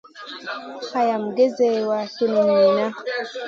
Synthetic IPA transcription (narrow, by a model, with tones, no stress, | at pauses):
ha˨ja˨m˨ɡe˦ze˦˨wa˦˨su˦nu˨m˨e˨na˦